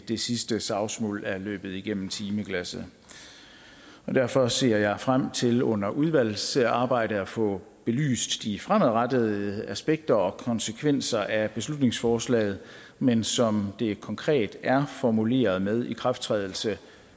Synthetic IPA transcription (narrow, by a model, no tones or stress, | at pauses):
d̥e̝sisd̥əsɑ̈ʊsmɔ̰ːlæɐlø̰ːb̥ð̞̩ˠiɡ̥en̰m̩t͡sʰiːməkʰlæsə | ɒ̽d̥æɐfɒ̽se̝̰ɐjɑ̈ɪfʁam̰t͡sʰe̝lɔ̽n̰ɐʔuð̞ˠʋæl̰seɑ̈ːb̥ɑ̈ɪ̰ɾ̥əæfɔ̰̽ː | b̥e̝ly̰ːsd̥d̥ifʁaməʁɑd̥əð̩ˠəæsb̥eɡ̥̚d̥ɐɒ̽kʰɒ̽nsəkʰʋen̰sɐʔæb̥e̝slud̥ne̝ŋsfɒːslɛ̰ːɪð̞̩ˠ | mensɒ̽md̥e̝kʰɒ̽ŋkʰʁɛ̰ːd̥æɐfɒmule̝̰ːɐð̞̩ˠmeð̞ˠikʰʁafd̥t͡sʰʁɛ̰ːðˠl̩sə